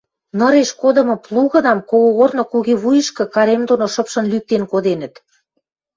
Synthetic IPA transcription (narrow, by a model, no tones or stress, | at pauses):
nə̆ɾeʃkod̪ɤ̆mɤ̆plˠuɣɤ̆d̪ɑmkoɣoɣornokuɣeβujə̆ʃkɤ̆kɑɾemd̪onoʃɤ̆pʃɤ̆nlyk̚t̪enkod̪enə̆t̪